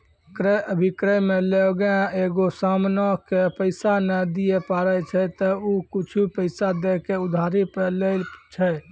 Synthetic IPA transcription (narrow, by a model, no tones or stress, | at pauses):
kɾəjəbʱikɾəjmeleoɡãeɡosamnɔkepəɪsanəd̪ijepaɾət͡ʃʰɛt̪ɔukit͡ʃʰupəɪsad̪ekeud̪ʱaɾipelelt͡ʃʰɛ